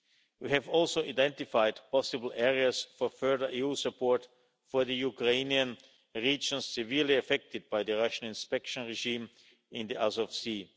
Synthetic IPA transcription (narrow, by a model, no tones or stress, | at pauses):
wihɛvɔlˠsoʊaɪdɛ̃ntɪfaɪdpʰɔsɨbl̩ˠɛɹiasfɔ˞fɜ˞ðə˞ʔiusəpʰɔɹt | fɔɹðəjukɹẽɪniə̃n | ɹiːd͡ʒə̃nssɪvɪɹliafɛk̚tɪd̚baɪðəɹaʃə̃nɪ̃nspɛkʃə̃nɹɛʒĩm | ɪ̃nðiʔasɔfsi